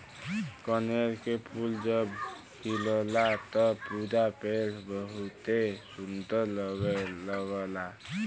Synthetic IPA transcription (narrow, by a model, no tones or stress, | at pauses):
kəneɾkepʰuld͡ʒəb | kʰiləlat̪ɔpud͡ʒapelʰbəɦut̪esunt̪əlɡləɡəla